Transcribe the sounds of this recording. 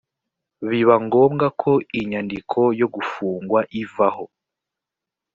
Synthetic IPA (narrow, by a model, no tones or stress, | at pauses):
βiβaŋɡo̞ːmɡakʰo̞iɲandikʰo̞jo̞ɡufuːŋɡwaʔivaho̞